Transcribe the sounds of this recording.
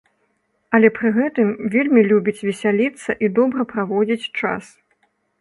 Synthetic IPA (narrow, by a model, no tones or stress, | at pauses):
ɐlʲɛpɾɨɣɛt̪ɨmvʲelʲmʲilʲubʲit͡sʲvʲɛsʲalʲit̪sːɐʔid̪ɔbɾɐpɾavɔd͡zʲit͡sʲt͡ʂa̰s